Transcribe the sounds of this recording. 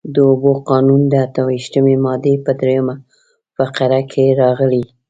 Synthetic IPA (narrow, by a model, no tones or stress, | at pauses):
d̪əoboqɑnund̪əat̪əwiʃt̪əmemɑd̪epəd̪ɾejəma | faqaɾakʰeɾɑɣəli